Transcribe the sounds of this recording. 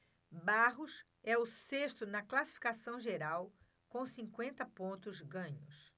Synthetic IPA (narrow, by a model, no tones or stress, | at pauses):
baɦʊs | ɛʊseʃt̪ʊnɐklasi̥fi̥kasɐ̃w̃ʒeɾaw | kõsĩŋkwẽnt̪ɐpõnt̪ʊzɡɐ̃ɲʊs